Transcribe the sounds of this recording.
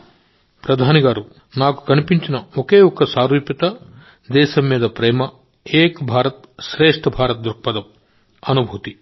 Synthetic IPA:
pɾɐd̪ʱaːniɡaːɾu | naːku̥kɐnipiɲt͡ʃinɐokeːɔkɐsaːɾuːpjɐt̪ɐ | d̪ɛːʃɐmːiːd̪ɐpɾɛːmɐ | eːkbʱaːɾɐt̪ | ʃɾeːʂʈʰɐbʱaːɾɐt̪̚d̪ɾuɾk̚pɐd̪ɐm | ɐnubʱut̪i

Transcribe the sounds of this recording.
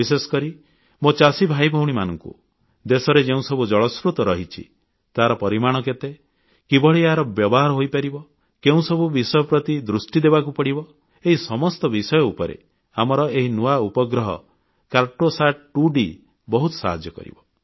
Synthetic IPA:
isesɔ̥kɔɾi | mot͡ʃasibʱajbʱɔwɽ̃imanɔŋkṵ | d̪esɔɾed͡ʒeũsɔbud͡ʒɔɭɔskɾut̪ɔɾɔɦit͡ʃʰḭ | t̪aɦaɾɔpɔɾimaɽ̃ɔk̬et̪e | kibɔɭiaɾɔbjɔbɔɦaɾɔɦojpaɾibɔ | keũsɔbubisɔjɔpɾɔt̪id̪ɾusʈid̪ebakupɔɽibɔ | eɦisɔmɔst̪ɔbisɔjɔupɔɾḛ | amɔɾɔeɦinuaupɔɡɾɔɦɔ̰ | kaɾʈosaʈ̚ʈuɖi | bɔɦut̪ɔ̥sa̰ɦad͡ʒjɔkɔ̰ɾḭbɔ

